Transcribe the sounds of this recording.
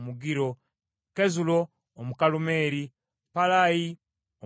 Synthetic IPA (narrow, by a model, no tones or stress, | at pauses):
muɡiɾo̞ | kezuloː | mukalume̞ːɾi | palaji | o